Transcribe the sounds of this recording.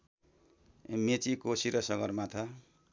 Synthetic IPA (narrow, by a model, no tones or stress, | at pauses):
met͡sikosiɾʌsʌɡʌrmat̪ʰa